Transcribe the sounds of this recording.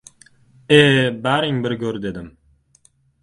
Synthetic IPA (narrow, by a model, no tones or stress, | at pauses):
ebæɾɪŋbɪɾɡʲɵɾd̪e̞d̪ɪm